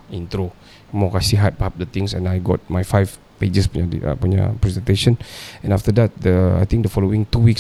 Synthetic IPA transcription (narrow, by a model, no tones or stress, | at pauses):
ĩnt̪ɾo | mɔkasiɦat̚pəhap̚dət̪ĩŋsɛ̰̃najɡɔt̚majfajv | ped͡ʒəspuɲadḭə̰puɲa̰pɹɛzɛ̃nt̪eʃə̃nɛ̃naftədɛt̚dəa̰jt̪ĩŋk̚dəfɔloɪ̃ŋt̪uwiks